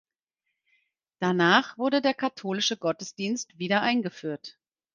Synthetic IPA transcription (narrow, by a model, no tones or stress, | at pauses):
d̥anaːχv̥ʊɐdədeːɐkʰatʰoːlɪʃəɡɔtəsd̥iːnstv̥iːdɐʔaɪnɡəfyːɐt